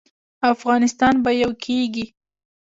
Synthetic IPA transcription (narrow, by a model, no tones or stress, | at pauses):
afɣɑnɪst̪ɑnbajawkʰeɡi